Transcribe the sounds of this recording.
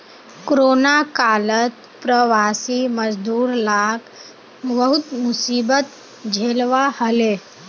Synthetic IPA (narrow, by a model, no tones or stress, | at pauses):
kɾoːnakaːlət̪ | pɾəʋaːsiməd͡ʒd̪uːɾlak | ʋəɦut̪musiːbət̪ | d͡ʒʱelʋahəle